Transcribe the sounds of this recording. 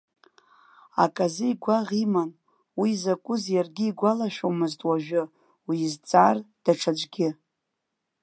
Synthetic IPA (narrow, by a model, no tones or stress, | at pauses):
a̰kʼazɨiɡʷaʁiman | wizakʷʼʊzjarɡʲɪiɡʷalaʃᶣomɨztʼwaʒᶣʊ | wiːzt͡sʼard̥aʈ͡ʂʰad͡ʒʷʼɡʲɪ